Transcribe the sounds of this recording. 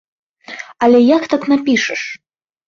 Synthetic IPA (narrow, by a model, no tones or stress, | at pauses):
ɐlʲɛjakt̪aknapʲiʂɐʂ